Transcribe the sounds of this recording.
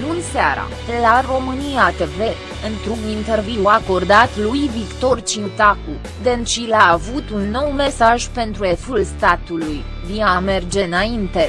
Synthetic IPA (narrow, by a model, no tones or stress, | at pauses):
lunseaɾa̰elaro̞mɨnijat̪e̞ve̞ | ɨnt̪ɾunint̪e̞rviako̞rd̪at̪lujvikt̪o̞rt͡ʃiut̪aku | d̪ent͡ʃilaːvut̪unːo̞wme̞saʒpe̞nt̪ɾue̞fulst̪at̪uluj | viame̞rd͡ʒe̞naint̪e̞